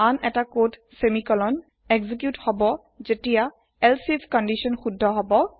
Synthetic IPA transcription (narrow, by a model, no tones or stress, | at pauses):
anɛtakot | semikɔlɔn | ɛɡzikjuthɔbɔ | zetija | ɛlsipʰkɔndisɔnxudʱːɔɦɔbɔ